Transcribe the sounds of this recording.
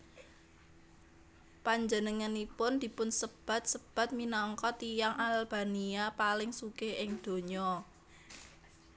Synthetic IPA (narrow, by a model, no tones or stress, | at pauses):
paɲd͡ʒənəŋanipʊnd̪̥i̤pʊnsəb̥a̤t̪̚səb̥a̤t̪̚minɔŋkɔt̪ijaŋʔalb̥a̤niapalɪŋsukeʔɪŋd̪̥o̤ɲɔ